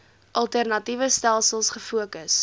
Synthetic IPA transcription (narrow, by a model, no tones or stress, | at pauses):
ʔɐlˠtærnɐtivəstælˠsəlˠsχəfuəkəs